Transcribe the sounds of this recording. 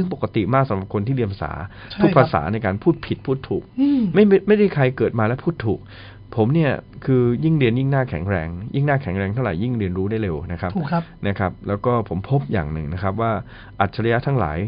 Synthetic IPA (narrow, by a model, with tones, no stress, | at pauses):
sɯ˥˩ŋpo˨˩kːa˧˦t̪i˨˩maː˥˩k̚sa˨˦mɾa˨˩p̚kʰo˧nt̪ʰiː˥li˧əpʰa˧sa̰ː˩˦ | t̪ʰkpʰa˧˦˧sa̰ː˩˦na˧jkaː˧npʰuː˥˩t̪̚pʰi˨˩t̪̚pʰuː˥˩t̪ʰːuː˨˩k̚ma˥˩jm˥˩ma˥˩jda˥˩jkʰa˧jkɤː˨˩t̪̚maː˧lɛ˦˥pʰuː˥˩t̪ʰːuː˨˩k̚ | pʰo˩˦mni˥˩ɐkʰɯː˧ji˥˩ŋɾi˧ənji˥˩ŋnaː˥˩kʰɛ˨˩˦ŋɾɛː˧ŋji˥˩ŋnaː˥˩kʰɛ˨˩˦ŋɾɛː˧ŋt̪ʰa˥˩wɾa̰˨˩˦ji˥˩ŋɾi˧ənɾuː˦˥da˥˩jɾe˧wna˦˥kʰa˦˥p̚na˦˥kʰa˦˥p̚lɛː˦˥wkɔː˥˩pʰo˨˩˦mpʰo˦˥p̚ja̰ː˨˩ŋnɯ˨˩ŋna˦˥kʰa˦˥p̚waː˥˩ | ʔa˨˩t̪̚t͡ɕʰa˧ɾa˧ja˦˥t̪ʰa˦˥ŋla̰ː˩˦j